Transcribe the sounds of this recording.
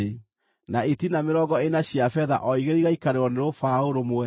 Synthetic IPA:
naetinameɾɔɡɔenaɕjafɛða̰ʔɔiɣeɾiɣaikaɾeɾɔneɾofaoɾomoɛ

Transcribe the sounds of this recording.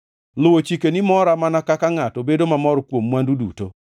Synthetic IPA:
lʊwot͡ʃikenɪmɔɾamanakakaŋatobedomamɔɾɔkwomːwandudṵto

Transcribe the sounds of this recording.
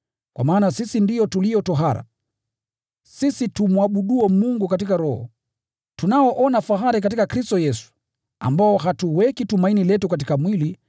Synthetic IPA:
kwa̰maːnasisindijɔtulijɔtɔɦaɾa̰ | sisitumwaɓuɗuɛmuŋɡukat̬ikaɾɔhɔ̰ | tunaɔʔɔnafaɦaɾik̬atikakɾistɔjɛsu̥ | a̰mbaɔɦatuwɛkitumainilɛtukat̬ikamwili

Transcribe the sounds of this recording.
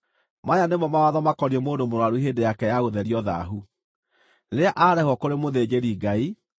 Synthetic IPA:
majanemɔmawaðɔmakɔɾiɛmoːndomoɾwaɾuɦeːndejakɛjaɣoðɛɾiɔða̰ɦu | ɾeaʔaɾɛhwɔkoɾemoðed͡ʑeɾiɡai

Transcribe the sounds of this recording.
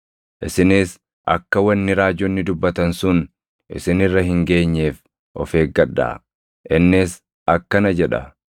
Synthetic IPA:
ʔɪsɪnɪs | ʔɐ̰kːɐwɐnːɪɾaːd͡ʒɔnːɪd̪ʊbːɐt̪ɐnsʊn | ʔɪ̰sɪnɪrːɐɦɪŋɡe̞ːɲːeːf | ʔɔ̰fe̞ːɡɡɐᶑːa̰ː | ʔɪnːɪs | ʔɐkːɐnɐd͡ʒɛᶑɐ̰

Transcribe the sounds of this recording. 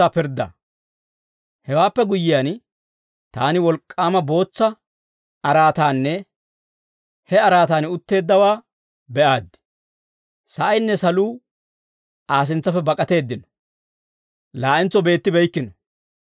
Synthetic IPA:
apɪɾd̪ɐ̰ | hɛwaːpːɛɡʊjːɪjan | t̪aːnɪwɔlkʼːaːmɐbo̞ːt͡sːɐ | ɐɾaːt̪aːnːɛ | hɛɐɾaːt̪aːnʊt̪ːe̞ːd̪ːɐwaː | bɛʔaːd̪ːɪ̥ | sɐʔɐjnːɛsɐluː | ʔaːs̬ɪnt͡sːɐfɛbɐkʼɐt̪e̞ːd̪ːɪnɔ | laːʔɪnt͡sːɔbe̞ːt̪ːɪbɛjkːɪnɔ

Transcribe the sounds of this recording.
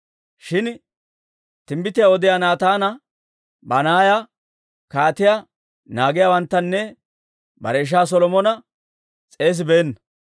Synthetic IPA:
ʃɪn | t̪ɪmbɪt̪ɪjawɔd̪ɪjaːnaːt̪aːnɐ | bɐnaːja | kaːt̪ɪja | naːɡɪjawɐnt̪ːɐnːɛ | bɐ̰ɾeːʃ̬aːs̬ɔlɔmɔnɐ | t͡sʼe̞ːs̬ɪbeːnːɐ

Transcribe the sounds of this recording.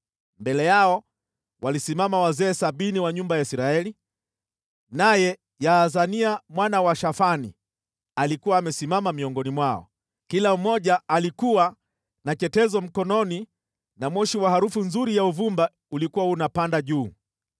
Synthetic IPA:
mbɛlɛjaɔ | walisimamawazɛːsaɓiniwaɲumbajaisɾaɛli | najɛ | jazaniamwanawaʃafanḭ | alikuwaːmɛsimamamiɔŋɡɔnimwaɔ̰ | kilam̩mɔʄaːlikuwa | nat͡ʃɛtɛzɔm̩kɔnɔni | namɔʃiwahaɾufunzuɾijauvumba | ulikuwaunapandaʄuː

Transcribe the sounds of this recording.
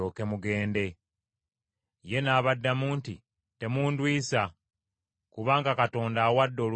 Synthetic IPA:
oːke̞muɡe̞ːnde̞ | je̞naːβadːamuːnti | te̞muːndwiːsa | kuβaːŋɡakato̞ːndaːwadːo̞ːl

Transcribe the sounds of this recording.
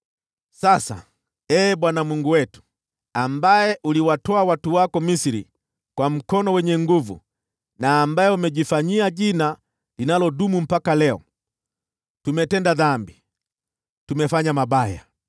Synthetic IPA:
sasa̰ | ɛːbwanamwuŋɡuwɛtu̥ | ambajɛʔuliwatɔawatuwakɔmisiɾḭ | kwam̩kɔnɔwɛɲɛŋɡuvṵ | naːmbajɛumɛɟifaɲiaɟina | linalɔdumum̩pakalɛɔ̰ | tumɛtɛndaðambi | tumɛfaɲamabaja̰

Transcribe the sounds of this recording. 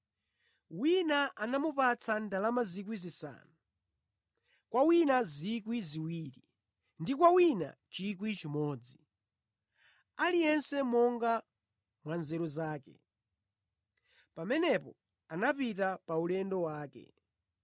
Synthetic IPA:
winaʔanamupat͡sʰandalamazik̬wizisa̰ːnu | kwawinazikwiziwiːɾi | ndikwawina̰t͡ʃik̬wit͡ʃimɔːd͡zi | alijɛnsɛmɔŋɡa | mwanzɛɾɔzaːkɛ̰ | pamɛnɛpɔ | anapitapaulɛndɔwaːkɛ̰

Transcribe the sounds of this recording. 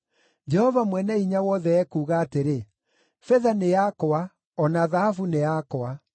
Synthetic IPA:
d͡ʒɛhɔvamwɛnɛiɲawɔðɛɛkuːɣaːteɾe | fɛðanejakoa | ɔnaðahafuneakɔa

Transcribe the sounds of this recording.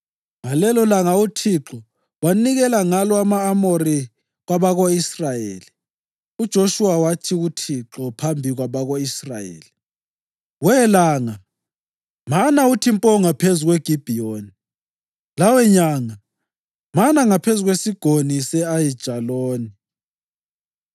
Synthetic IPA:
ŋalɛlɔlaŋautʰiǁɔ | waniɣɛlaŋalɔamaːmoɾi | ɣwaβaɣoisrajḛːli | ud̥ʒ̥ʱoʃuwawatʰiɣutʰiǁɔpʰambʱiɣwaβaɣoisrajḛːli | wɛlaːŋa | manautʰimpʼɔŋapʰezuɣweɡ̥ʱib̥ʱijoːni | lawɛɲaŋa | manaŋapʰezuɣwesiɡ̥ʱonisɛajid̥ʒ̥ʱaloːni

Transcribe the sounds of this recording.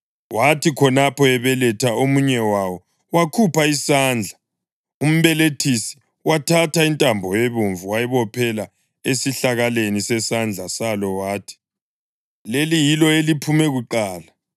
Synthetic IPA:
watʰikʰɔnapɔɛβɛlɛtʰaomuɲɛwawɔ | wakʰupaisaːnd͡ɮʱa | um̩βɛletʰisi̥ | watʰatʰaintʼambʱɔjeβuɱvuwajɛβɔpʰɛla | esiɬaɣalenisɛsand͡ɮʱasalɔwaːtʰi̥ | lelijilɔelipʰumɛɣuǃaːla

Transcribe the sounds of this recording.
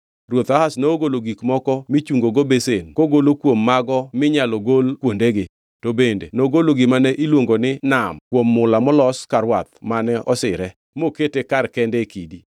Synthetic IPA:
rwot̪ahasnooɡoloɡikmɔkɔmɪt͡ʃuŋɡoɡobesenkoɡolokwomːaɡɔmɪɲaloɡolkwondeɡɪ | tobendenoɡoloɡɪmanɛʔilwoŋɡonɪnamkwomːʊlamɔlɔskaɾwat̪manɛʔɔsɪɾɛ | moketekarkɛndɛkidi

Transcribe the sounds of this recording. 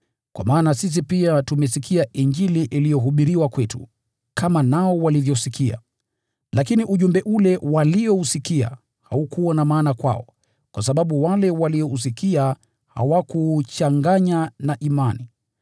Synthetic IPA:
kwa̰maːnasis̬ipiatumɛsikʰiaʔiɲd͡ʒiliʔilijɔɦuɓiɾiwakwɛtṵ | kʰamanaɔwalivjɔsikia̰ | lakiniʔuʄumbɛʔulɛwalijɔusikia̰ | ha̰ukuwanamaːnakwa̰ɔ | kwasaɓaɓuwalɛwaliɔus̬ikia | ha̰wakut͡ʃaŋɡaɲanaʔimani

